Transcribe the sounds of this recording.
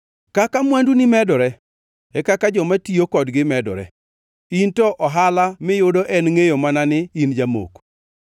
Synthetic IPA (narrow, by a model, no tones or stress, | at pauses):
kakamwandunɪmɛdɔɾɛ | ɛkakad͡ʒɔmatiokɔdɡɪmɛdɔ̰ɾɛ̰ | intɔʔɔɦalamɪjʊdɔʔɛnŋejomananɪind͡ʒamo̰k